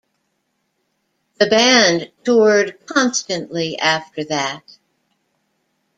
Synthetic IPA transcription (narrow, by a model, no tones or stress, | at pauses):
ðɨbæ̃ntʰʊɹd̚kʰɑ̃nstɨ̃nʔliʔæftə˞ðɨt̚